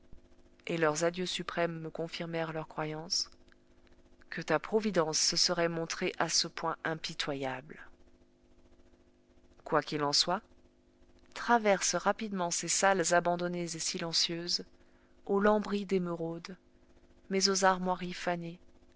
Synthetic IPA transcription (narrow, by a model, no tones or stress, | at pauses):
elœʁzad̪jøsypχɛmːəkɔ̃fiʁmɛʁlœʁkχwajɑ̃s | kət̪apχɔvid̪ɑ̃sːəsəʁɛmɔ̃t̪χeʔasəpwɛ̃ʔɛ̃pit̪wajabl | kwakʲilɑ̃swa | t̪χavɛʁsʁapid̪mɑ̃sesalzabɑ̃d̪ɔnezesilɑ̃sjøz | olɑ̃bʁid̪emøʁod̪ | mɛzozaʁmwaʁifane